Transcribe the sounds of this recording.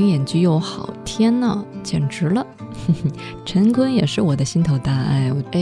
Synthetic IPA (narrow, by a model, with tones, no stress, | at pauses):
ŋjɛ˨˩nt͡ɕy˥˧jo˧˥ʊxɑ˨˩ʊt̪ʰjɛ˥nnə˨t͡ɕjɛ̰˨˩nʈ͡ʂɻ̩˧˥lə˧˥˩ | ʈ͡ʂʰə˧˥nkʰwə˥njɛ˨˩ʂɻ̩˥˩wɔ˨˩d̪ə˦ɕi˥nt̪ʰo˨˧˩ʊt̪a˥˧a̰˥˩ɪw